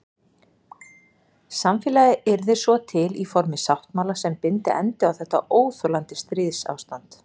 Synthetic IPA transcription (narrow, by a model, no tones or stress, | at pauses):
samfɪːlajɪɛɾðɪsvɔt̪ʰɪlifɔɾmɪsawht̪maːlasɛmpɪnt̪ɪʔɛ̰nt̪ɪawθɛht̪ːa̰ʔoːwθœlant̪ɪst̪ɾɪðsa̰wst̪ant̪